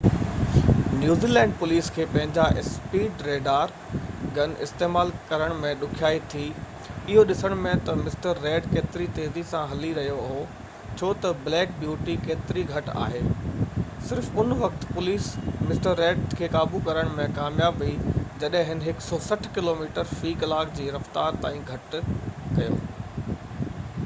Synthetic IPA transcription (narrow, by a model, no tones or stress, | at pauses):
njuːziːlɛ̃ːɳɖ̚pʊliːskʰeːpɐ̃ɦɪ̃ɲd͡ʑaʔɪspiːɖɾeːɖaːɾ | ɡɐnɪ̰st̪eːmaːlkɐɾəɽ̃mẽɗʊkʰijaːit̪ʰiː | ɪɦoɗɪsəɽ̃mẽt̪ɐmɪsʈəɾːeːɖkeːt̪ɪɾit̪eːzisãɦɐliɾɐɦijoɐɦo | t͡ɕʰoːt̪ɐblɛːk̚bjuːʈikeːt̪ɪɾiɡʱɐʈa̰ːɦeː | sɪɾfʊnʋɐk̚t̪pʊliːsmɪsʈəɾːeːɖkʰeːkaːbukɐɾəɽ̃mẽkaːmjaːbʋɐid͡ʑɐɗɦɪ̃ɦɪnɦɪksɔːsɐʈʰkɪloːmiːʈəɾfiːklaːkd͡ʑiːɾɐft̪aːɾt̪a̰ːĩɡʱɐʈkɐjo̰ː